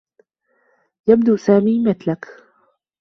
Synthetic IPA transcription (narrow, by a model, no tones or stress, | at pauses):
jab̚d̪usaːmiːmɪt̪lak